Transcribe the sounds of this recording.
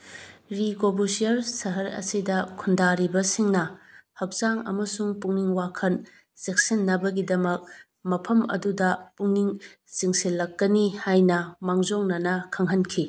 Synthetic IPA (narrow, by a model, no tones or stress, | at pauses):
ɾikobusijɐɾsɐɦɐɾɐ̰sidɐkʰundaɾibɐsiŋnɐhɐk̚zaŋɐ̰mɐsuŋpuŋniŋwakʰɐn | sek̚sinːɐbɐɡidɐmɐk̚ | mɐpʰɐmɐ̰dudɐpuŋniŋ | siŋsilːɐkːɐnihajnɐmaŋzoŋnɐnɐkʰɐŋɦɐnkʰi